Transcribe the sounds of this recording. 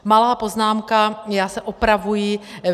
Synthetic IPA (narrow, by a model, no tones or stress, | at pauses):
malaːpoznaːmkajaːsɛʔopɾavuji